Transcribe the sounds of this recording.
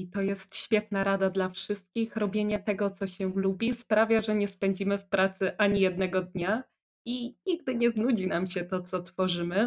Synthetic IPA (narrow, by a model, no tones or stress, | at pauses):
it̪ɔjɛst̪ɕfʲjɛt̪̚naɾad̪ad̪lafʂɘst̪̚kʲixɾɔbʲjeɲɛt̪ɛɡɔt̪sɔɕɛlubʲispɾavʲjaʐɛɲɛspɛɲd͡ʑimɘfpɾat̪sɘʔaɲijɛd̪nɛɡɔd̪ɲa | iɲiɡ̚d̪ɘɲɛznud͡ʑinamɕɛt̪ɔt̪sɔt̪fɔʐɘmɘ